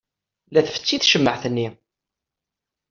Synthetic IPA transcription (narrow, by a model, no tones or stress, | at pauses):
læθfə̥t͡sːiθʃəmːəʕθənːi